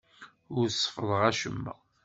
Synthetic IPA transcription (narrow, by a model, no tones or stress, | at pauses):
ʊɾsˤːə̥fəðˤʁæʃəmːæ̰